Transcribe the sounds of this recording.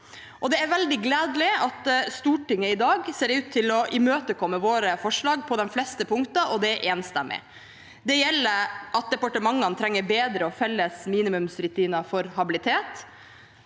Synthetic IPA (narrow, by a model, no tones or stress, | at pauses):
ʔɔd̪ɛæɾʋɛld̪ɪɡleːd̪lɪɑt̪st̪uːʈɪŋːəɪd̪ɑːɡseːɖɛʉːt̪ʰːɪlɔʔɪmøːt̪əkʰɔmːəʋoːɾəfɔʂɭɑːɡ̚pʰɔd̪ɛnflɛst̪əpʰʊŋkt̪ɑʔɔd̪ɛæɾʔeːnst̪ɛmʔɪ̰ | d̪ɛjɛlːəɾʔɑt̪̚d̪ɛpɑʈəmɑŋːənt̪ʰɾɛŋːəbeːd̪ɾəɔfɛlːəsmiːnɪmʉmsɾʉt̪ʰiːnɑfɔɾhɑbɪlɪt̪ʰeːt̪